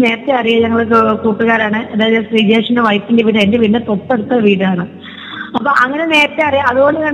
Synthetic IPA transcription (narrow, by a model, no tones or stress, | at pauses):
ne̞ːrɐt̪ːɐɐrijɐɲɐŋːɐɭkːkuːʈːɨɣaːɾaːɳɨʔɐðaːjɐðsriːd͡ʑeːʂɐneʋɐjpːindeʋiːɽɨendeʋinːɨt̪opːe̞ɽut̪ːɐʋiːɽɨaːɳɨ | ɐpːoːʔɐŋːɐne̞ne̞ːrɐt̪ːɐɐrijɐɐðuɣo̞ɳɖɨkɐɳ